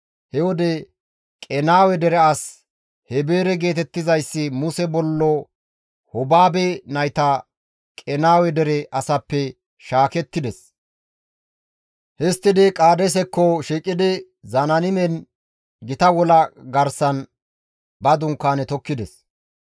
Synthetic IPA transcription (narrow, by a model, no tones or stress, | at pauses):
hɛwɔd̪ɛ | kʼɛnaːwɛd̪ɛɾɛɐs | hɛbeːɾɛɡe̞ːt̪ɛt̪ːɪzɐjsːɪmʊsɛbɔlːɔ | hɔbaːbɛnɐjt̪a | kʼɛnaːwɛd̪ɛɾɛʔɐsɐpːɛ | ʃaːkɛt̪ːɪd̪ɛs | hɛst̪ːɪd̪ɪkʼaːd̪ɛs̬ɛkːɔʃiːkʼːɪd̪ɪ | zɐnɐnɪmɛn | ɡɪt̪ɐwɔlɐɡɐɾsɐn | bɐd̪ʊŋkːaːnɛt̪ɔkːɪd̪ɛs